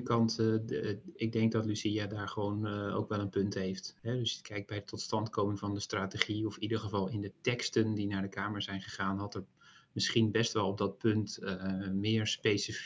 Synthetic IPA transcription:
kɑnt | ɪɡ̚dɛŋk̚dɑtlysiadaːɹχəʋowno̰wkʋɛlˠənpɵntɦejftɦɛdɵskʰɛjk̚bɛjətʰːɔtstɑntkowmənvɑndəstraːteχiɔfidəɹχəvɑlˠɪndətɛkstəndinaːɹdəkaːməɹzɛjnχəχaːnɦɑtər | mɪsχinbɛstʋɛlˠɔb̚dɑt̚pɵntmɪːɹspejsəf

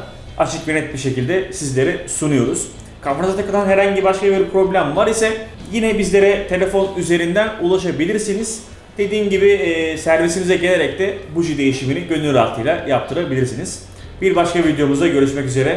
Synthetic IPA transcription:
at͡ʃʰɯk̚biɾnɛt̪̚biɾʃe̞cilʲd̪ɛsizlʲe̞ɾɛsunujo̞ɾuz̥ | kʰafɾazat̪ʰakɯlˠanɦeɾhaɲɟibaʃkabiɾpʰɾo̞blʲæmvaɾisɛjinɛbizlʲe̞ɾɛt̪ʰe̞lʲe̞fo̞nyze̞ɾind̪ænulˠaʃabilʲiɾsiniz̥ | d̪̥e̞d̪iːmɟibiɪːsæɾvisimizɛɟe̞lʲe̞ɾɛct̪ʰɛbuʒid̪e̞jiʃiminiɟø̞nyyɾa̰ɾt̪ʰɯjlˠajap̚t̪ʰɯɾabilʲiɾsiniz̥ | biɾbaʃkavid̪jo̞muzd̪aɟø̞ɾyʃmɛcyze̞ɾɛ

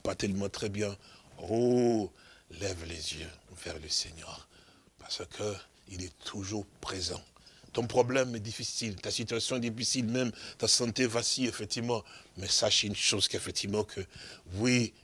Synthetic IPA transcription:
pat̪ɛlmɑ̃t̪χɛbjɛ̃ʁo | lɛvlezjøvɛʁləsɛɲœːʁ | paʁsəkʰə | ilɛt̪ʰuʒuʁpχezɑ̰̃t̪ɔ̃pχɔblɛmɛd̪ifisilt̪asit̪ɥasjɔ̃ɛd̪ifisilmɛmt̪asɑ̃t̪evasiefɛk̚t̪ivmɑ̃mɛsaʃynʃozkefɛk̚t̪ʰivmɑ̃kʰəwi

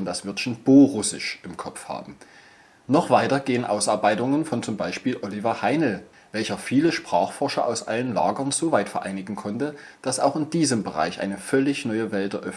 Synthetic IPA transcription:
ndasv̥ɪɐtʃonb̥oːʁʊsɪʃʔɪmkʰɔpp͡fha̰ːbm̩ | nɔχv̥aɪtɐɡeːənʔa̰ʊsaɐbaɪtʊŋənfɔnt͡sʊmbaɪʃpiːlʔɔlivɐhaɪnl̩ | vɛlçɐfiːləʃpʁ̥aːχfɔɐʃɐʔa̰ʊsʔa̰lənla̰ːɡɐnzoːvaɪtfɛɐʔaɪnɪɡŋ̩kʰɔntə | d̥asaʊxɪndiːzəmbəʁa̰ɪçʔa̰ɪnəfœlɪçnɔʏəvɛltdɐʔœf

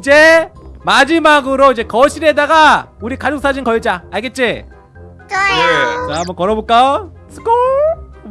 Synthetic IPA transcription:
id͡ʑe̞mad͡ʑimaɡɯɾoid͡ʑe̞kʌɕʰiɾiɦedaɡauɾikad͡ʑok̚s͈ad͡ʑinkʌɭd͡ʑaaɭɡet̚t͡ɕ͈e | eambʌnkʌɾʌbok͈a | sʰɯ̥ko

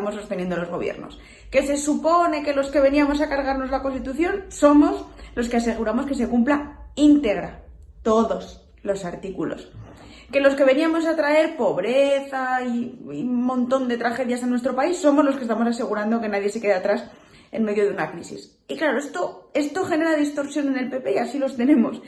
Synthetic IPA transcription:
amoso̞st̪enjend̪olozɣo̞βjḛɾno̰s | ke̞se̞supo̞ne̞ke̞lo̞ske̞βe̞niamo̞sakaɾɣaɾno̞zlako̞nst̪it̪uθjo̞nso̞mo̞zlo̞skease̞ɣ̞uɾamo̞ske̞se̞kumplaint̪e̞ɣ̞ɾa | t̪o̞ðo̞s | lo̞saɾt̪ikulo̞̰s | ke̞lo̞ske̞βe̞niamo̞s̬at̪ɾae̞ɾpo̞βɾeθaiiumõ̞nt̪o̞nd̪e̞t̪ɾaxe̞ðjas̬enwe̞st̪ɾo̞paisːo̞mo̞zloskest̪amo̞s̬ase̞ɣ̞uɾand̪o̞ke̞naðje̞se̞ke̞ðeat̪ɾas | e̞̰nme̞ðjo̞ðeunakɾisḭs | iklaɾoest̪oe̞st̪o̞xe̞ne̞ɾaðist̪o̞ɾsjo̞ne̞ne̞lpe̞pe̞iasilo̞st̪e̞ne̞mo̞̰s

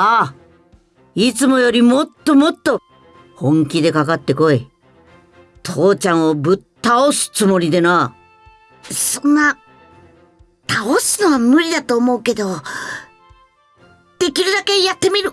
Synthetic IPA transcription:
a | it͡sɨmo̞jo̞ɾʲimo̞t̪ːo̞mo̞t̪ːo̞ | hõ̞ŋkʲid̪e̞kakat̪ːe̞ko̞e | t̪ʰo̞ːt͡ɕãɰ̃o̞bɯ̟t̪ːaosɨ̥t͡sɨmo̞ɾʲid̪e̞na | sõ̞nːa | t̪ʰaosɨno̞βamɯ̟ɾʲid̪at̪o̞ːmo̞ɯ̟ke̞d̪o̞ | d̪̥e̞kʲiɾɯ̟d̪ake̞jat̪ːe̞mʲiɾɯ̟

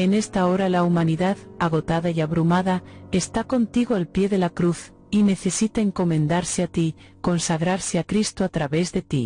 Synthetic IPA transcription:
e̞ne̞st̪aoɾalaumaniðaðaɣ̞o̞t̪aðaiaβɾumaðae̞st̪ako̞nt̪iɣoalpje̞ðe̞lakɾuθ | ine̞θe̞sit̪aeŋko̞mẽnd̪aɾseat̪i | ko̞nsaɣɾaɾseakɾist̪oat̪ɾaβe̞zðe̞t̪ḭ

